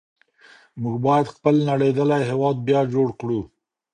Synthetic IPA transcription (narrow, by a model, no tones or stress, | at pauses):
muɡbɑjad̪xpəlnaɽed̪əlajɦewɑd̪̚bjɑd͡ʒoɽkɽu